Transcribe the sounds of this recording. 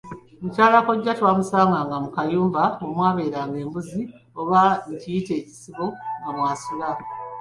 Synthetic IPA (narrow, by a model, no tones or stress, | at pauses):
mucaːlakoɟːatwaːmusaːŋɡaŋɡamukajuːmvaomwaːβe̞ːɾaːŋɡe̞ːmbuzi | oβaɲcijite̞ːci̥siβo̞ŋɡamwaːsula